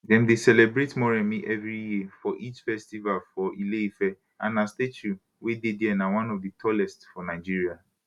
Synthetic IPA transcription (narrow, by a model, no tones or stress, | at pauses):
dɛ̃mdesɛlebɹetmɔɹɛ̃mĩʔɛvɹijifɔʔit͡ʃfɛstivalfɔʔileifɛ | ãnastetu | wedediɛnawãnɔvditʰɔlɛstfɔnaɪd͡ʒiɹia